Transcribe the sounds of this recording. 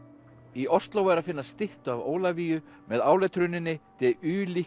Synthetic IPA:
iʔɔ̥st̪lowɛɾaðfɪnːasst̪ɪht̪ʏavo̰ːwlaviːjʏ | mɛðaːwlɛt̪ʰɾʏnɪnːɪt̪ɪʏːli

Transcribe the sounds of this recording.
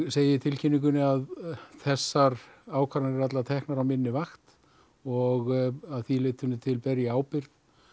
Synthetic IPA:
seːjɪt̪ʰɪlcʰɪnːiŋk̬ʏnɪaðθɛsːaɾaːwkʰaɾanɪɾɛɾat̪laat̪ʰɛhknaɾawmɪnːɪvaxt̪ | ɔɣaðθilɪːt̪ʏnːɪt̪ʰɪlpɛɾjaaːwpɪɾð

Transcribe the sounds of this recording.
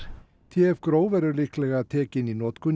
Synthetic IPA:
t̪ʰjɛɛvkɾoːwvɛɾʏlihklɛɣaðt̪ʰɛːcɪnːinɔːt̪kʰʏn

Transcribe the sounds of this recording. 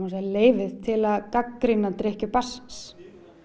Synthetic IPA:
as̬leːjvɪð̥t̪ʰɪlaðkakːɾinːat̪ɾɪhcʏpass

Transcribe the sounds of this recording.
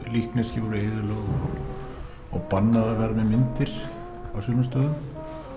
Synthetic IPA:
lihknɛscɪvɔɾʏeːðʏlœːɣɔ̰ɣ | ɔɣpanːaðaðvɛːɾamɛðmɪnt̪ɪɾ̥ | awsʏnʏst̪œːðʏm

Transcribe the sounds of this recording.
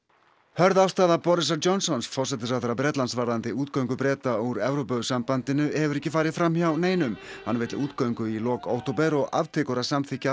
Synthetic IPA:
hœɾðawst̪aːðapɔɾɪs̬aɾt͡ɕɔnsɔnsfɔr̥sɛt̪ɪs̬awθaɾapɾɛːt̪lansvaɾðant̪ɪuːt̪kœɥŋkʏpɾɛːt̪aɔuɾɛvɾopœɣsampant̪ɪnʏɛvʏɾɛhcɪfaːjɾɪfɾamçawneːjnʏm | hanvɪt̪luːt̪kœɥŋkʏilɔːko̰wht̪ɔpɛɾɔɣʔa̰vt̪ʰɪːkʏɾasamθɪhca

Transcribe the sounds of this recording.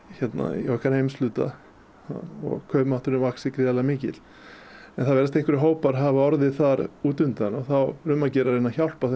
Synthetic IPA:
çɛt̪na̰ɔkaɾhejmslʏːt̪a̰ | ɔ̰ɣkʰœːpmaht̪ʏɾʏmvaksɪkɾɪalamɪːcɪ̰l̥ | ɛnθavɛːɾast̪ejŋkvʏɾɪɦoːwpaɾɦavaɔɾðɪθaɾuːt̪ʏnt̪anɔɣθawrʏmːacɛːɾaɾenaçawl̥pas

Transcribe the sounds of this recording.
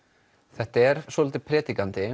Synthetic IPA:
θɛht̪aɛɾ̥svɔːlɔːt̪ɪpʰɾɛːt̪ikant̪ɪ

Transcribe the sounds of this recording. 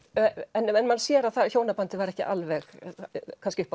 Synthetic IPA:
ɛnɛnmansjɛɾaðθaðçoːwnapant̪ɪvaɾɛhcɪ̰ʔa̰lvɛxkʰanscɪʏhpa

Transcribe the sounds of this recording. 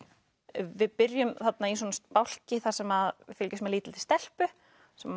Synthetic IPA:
vɪðpɪɾjʏmθat̪nais̬wɔːnast̪̚pawl̥cɪθaɾ̥sɛmaðvɪfɪlcʏsmɛliːt̪ɪlt̪ɪ̥st̪ɛl̥pʏ | sɛm

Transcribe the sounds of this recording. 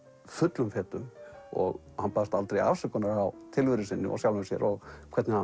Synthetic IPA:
fʏt̪lʏmfɛːt̪ʏmɔ̰ɣ | hanpast̪alt̪ɾeja̰fsɛkɔnaɾawt̪ʰɪlvʏɾʏsɪnːɪ̰ʔɔ̰sjawlvʏmsjɛ̰ɾʔɔɣkʰvɛɾt̪nɪha

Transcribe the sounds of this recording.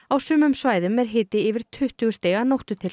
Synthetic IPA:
awsʏːmʏmsvaːjðʏmɛɾ̥ɦɪːt̪ɪɪːvɪɾ̥t̪ʰʏht̪ʏɣʏ̥st̪eːɣanowht̪ʏt̪ʰɪl

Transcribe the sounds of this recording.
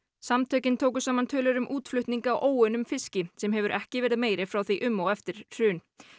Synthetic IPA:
samt̪ʰœːɥcɪnt̪ʰoːwk̬ʏsaːmant̪ʰœːlœɾʏmʔuːt̪flʏht̪niŋkaːwʔoːwʏnʏmfɪscɪsɛmɦɛvʏɾʔɛ̰hcɪvɛːɾɪðmeːjɾɪfɾawθiʔʏmːowɛft̪ɪɾ̥r̥ʏːn

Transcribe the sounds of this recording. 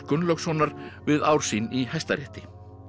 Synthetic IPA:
kʏnlœksvɔːnaɾvɪðaːwɾ̥sinihajst̪aɾɛht̪ɪ

